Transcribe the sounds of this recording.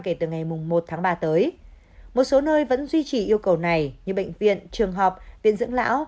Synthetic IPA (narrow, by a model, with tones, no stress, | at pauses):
ke˧˩t̪ɨ˨˩ŋa˨˩jmʊ˨˩ŋ͡mmo˨˩t̚t̪ʰaː˨˦ŋɓaː˧t̪əː˨˦j | mo˨˩t̚so˨˦nəː˧jvə̰˧˥nzwi˧t͡ɕi˧˩ʔi˧əwkə˨˩wna˨˩jɲɨ˧ɓə̰˧˨jŋ̟vḭ˧˨ənt͡ɕɨ˨˩əŋɦɔ˨˩p̚ɓḭ˧˨ənzɨ̰˧˥ŋla̰ː˧˥w